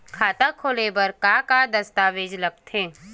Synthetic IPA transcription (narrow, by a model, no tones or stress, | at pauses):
kʰaːt̪akʰoːlebəɾkakad̪ɐst̪aːʋeːd͡ʒlɐɡt̪ɦẽː